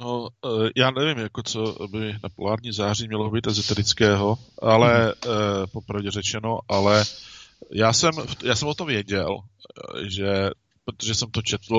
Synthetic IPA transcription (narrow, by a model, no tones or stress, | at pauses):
nojaːnɛvɪmjakot͡sobɪnapolaːɾɲiːzaːrimɲɛlobit̪ɛzot̪ɛɾɪt͡skɛːɦo̞ʔalɛ | po̞pɾavɟɛrɛt͡ʃɛno̞ʔalɛ | jaːsɛmftjaːsɛmvot̪omvjɛɟɛl | ʒɛ | pɾot̪oʒɛsɛmt̪ot͡ʃɛt̪l̩